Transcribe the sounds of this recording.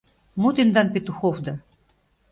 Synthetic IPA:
mot̪ind̪ɑnpʲet̪uxovd̪ɑ

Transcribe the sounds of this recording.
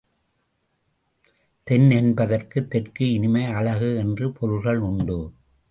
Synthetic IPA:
t̪ɛnɛnbɐðɐrkɯt̪ːɛʈkɯɪnɪmɐɪɐɭɐɣɯɛndrɯpʰɔɻɯlɣɐɭʊɳɖɯ

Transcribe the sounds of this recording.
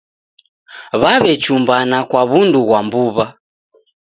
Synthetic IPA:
βaβɛt͡ʃumbanakwaβunduɣwambuβa

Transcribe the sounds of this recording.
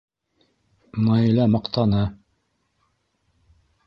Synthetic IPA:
mɑjilɑmɑqt̪ɑnɤ

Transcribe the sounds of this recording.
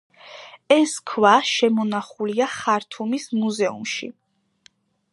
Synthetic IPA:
ɛskʰwaʃɛmɔnaχuliaχaɾt̪ʰumismuzɛṵmʃḭ

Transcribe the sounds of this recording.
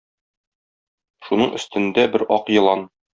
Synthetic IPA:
ʃunɤɴɵ̆st̪ɘ̆nd̪æbɘɾɒqjɤ̆lˠɑn

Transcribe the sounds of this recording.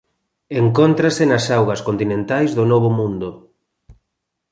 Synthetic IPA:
eŋkont̪ɾasenɐsawɣɐskont̪inẽnt̪ajzðʊnɔβ̞ʊmũnd̪o

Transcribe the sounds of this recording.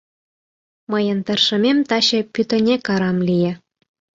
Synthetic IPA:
məjə̆nt̪ərʃə̆mʲemt̪ɑɕĕpyt̪ə̆nʲekɑɾɑmlijĕ

